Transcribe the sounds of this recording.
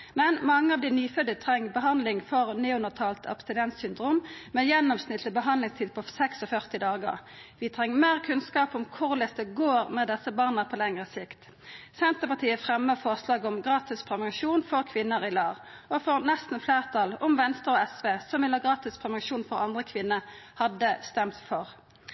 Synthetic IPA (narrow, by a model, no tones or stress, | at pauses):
mɛnmɑŋːəɑʋd̪ɪnyːfœd̪ət̪ʰʁɛŋːəbəɦɑnd̪lɪŋfɔʁnɛːʉnəʁt̪ʰɑːlt̪ʰɑ̰pst̪ɪnɛnt̪ssʏnd̪ʁuːmmɛjɛnːɔmsnɪt̪əbəɦɑnd̪lɪŋst̪ʰiːd̪̚pʰɔsɛksɔfœʁt̪ɪd̪ɑːɡə̰ʁ | ʋɪt̪ʰʁɛŋːəmeːʁkʰʉnskɑːpɔmkʰʊʁlɛst̪əɡoːʁmɛd̪ɛsəbɑːʁnəpʰɔlɛŋʁəsɪkt̪ | sɛnt̪əpɑʁt̪ʰiːəfʁɛmːəfɔʁslɑːɡɔmɡʁɑːt̪ɪspʰʁɛmɪʃuːnfɔʁkʰʋɪnːəʁɪlɑːʁ | ɔfɔʁnɛst̪n̩fleːʁt̪ʰɑlɔmʋɛnst̪əʁɔɛsʋeːsɔmɪnɑɡʁɑːt̪ɪspʰʁɛmɪʃuːnfɔʁɑnd̪ʁəkʰʋɪnːəhɑd̪əst̪ɛmt̪fɔʁ